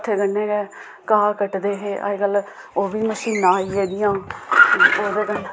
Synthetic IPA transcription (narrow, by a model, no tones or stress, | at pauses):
ʈ̪ʰeɡənːeːɡɛː | kaːkəʈd̪eːɦeːʔa̰ɡəl | oːʋiːməʃiːnãːieːd̪ɪjãː | oːd̪eːkən